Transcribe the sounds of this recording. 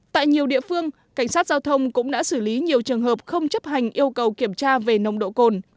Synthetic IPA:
t̪a̰ː˧˨jɲi˨˩əwɗḭ˧˨əfɨ˧əŋ | ka˧˩jŋ̟saː˦˥t̚z̥aː˧wt̪ʰə˧wŋ͡mkʊ̰˧˥ŋ͡mɗa̰ː˧˥sɨ˧˩li˨˦ɲi˨˩əwt͡ɕɨ˨˩əŋɦəː˨˩p̚xə˧wŋ͡mt͡ɕə˦˥p̚ha˨˩jŋ̟ʔi˧əwkə˨˩wki˧˩əmt͡ɕaː˧ve˨˩nə˨˩wŋ͡mɗo̰˧˨ko˨˩n

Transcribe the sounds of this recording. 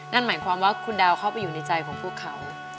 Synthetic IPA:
ŋa˥˩nmaː˩˦jkʰwaː˧mwaː˥˩kʰu˧ndaː˧wkʰa˥˩wpa˧jːuː˨˩na˧jt͡ɕa˧jkʰɔː˨˩˦ŋpʰuː˥˩əkʰːa˩˦w

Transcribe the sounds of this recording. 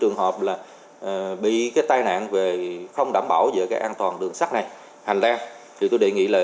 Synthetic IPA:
t͡ɕɨ˨˩əŋɦə˨˩p̚laː˨˩ | ʔɓḭ˧˨kaː˨˦jt̪aː˧jna̰ː˧˨nve˨˩xə˧wŋ͡mɗaː˧˩mɓaː˧˩wzə̰˧˨kaː˨˦˥ʔaː˧nt̪waː˨˩nɗɨ˨˩əŋsa˦˥k̚na˨˩j | ha˨˩jŋ̟zaː˧ | t̪ʰi˨˩t̪o˧ɗḛ˧˨ŋḭ˧˥laː˨˩

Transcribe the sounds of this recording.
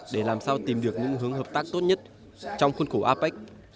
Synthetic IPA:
ɗe˧˩laː˨˩msaː˧wt̪i˨˩mɗɨ˨˩ək̚ɲɨ̰˧˥ŋɦɨ˨˦əŋɦəː˨˩p̚t̪aː˦˥k̚t̪o˦˥t̚ɲə˦˥t̚ | t͡ɕɔ˧wŋ͡mxə˧nxo˧˩ʔaː˧pa˦˥k̚

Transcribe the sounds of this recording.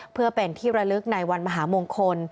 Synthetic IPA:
pʰɯː˥˩ɐpe˧nt̪ʰiː˥˩ɾa˧lɯ˦˥k̚na˧jwa˧nmaː˧ɦaː˩˦moː˧ŋkʰo˧n

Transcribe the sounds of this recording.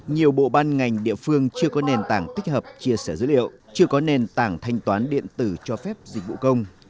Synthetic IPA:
ɲi˨˩əwɓo̰˧˨ɓaː˧nŋa˨˩jŋ̟ɗḭ˧˨əfɨ˧əŋt͡ɕɨ˧əkɔ˨˦ne˨˩nt̪aː˧˩ŋt̪i˦˥k̟̚həː˨˩p̚t͡ɕi˧əsɛː˧˩zɨ̰˧˥lḭ˧˨ə˨w | t͡ɕɨ˧əkɔ˨˦ne˨˩nt̪aː˧˩ŋt̪ʰa˧jŋ̟t̪waː˨˦nɗḭ˧˨ənt̪ɨ˧˩t͡ɕɔ˧fɛ˦˥p̚zi˨˩k̟̚vṵ˧˨kə˧wŋ͡m

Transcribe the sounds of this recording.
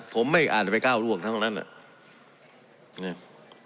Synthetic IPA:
pʰo˩˦mːa˥˩jʔaː˨˩t̪̚pa˧jkaː˥˩wlu˥˩əŋt̪ʰa˦˥˩ŋna˦˥nʔa̰˨˩ʔ | na˧˩

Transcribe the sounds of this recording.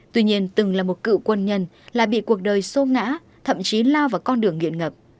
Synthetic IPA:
t̪wi˧ɲi˧ənt̪ɨ˨˩ŋlaː˨˩mo˨˩t̚kɨ̰˧˨kwə˧nɲə˧n | laː˨˩ɓḭ˧˨ku˨˩ək̚ɗəː˨˩jso˧˦ŋa̰ː˧˥ | t̪ʰə̰˧˨mt͡ɕi˨˦laː˧wvaː˨˩wkɔ˧nɗɨ˨˩əŋːḭ˧˨ənŋə˨˩p̚

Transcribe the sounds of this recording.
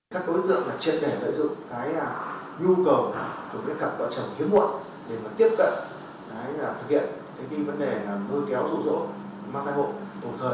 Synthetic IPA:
kaː˦˥kaː˨˦˨t̪ɨ̰˧˨ə˨ŋlaː˨˩t͡ɕḭ˧˨ən̚ɗe˧˩lə̰ː˧˨jzʊ̰˧˨ŋ͡mkaː˨˦jaː˨˩ | ɲu˧kə˨˩wa˨˩t̪o˧˩mə̰˧˦ka˨˩p̚lə̰˧˨t͡ɕə˨˩wŋ͡mhi˨˦əmṵ˧˨n | ɗe˧˩maː˨˩t̪i˦˥əp̚kə̰˧˨n | kaː˨˦jaː˨˩t̪ʰɨ˨˩k̚hʰḭ˧˨ən | t̪ʰə˨˦vi˧və˨˦nɗeː˨˩˨məː˧kɛ˨˦wzṵ˧˥˩zo̰˧˩˨ | maː˨˩t̪ʰaː˧˨ho̰˧˨ɗ̪ə˨˩ŋ͡mt̪ʰəː˨˩j

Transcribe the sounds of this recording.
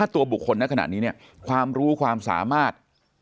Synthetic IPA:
aː˥˩t̪u˧ɐbu˨˩kʰːo˧nːa˦˥ka˧na̰˨˩niː˦˥ni˥˩ɐ | kʰwaː˧mɾuː˦˥kʰwaː˧msa̰ː˩˦maː˥˩t̪̚

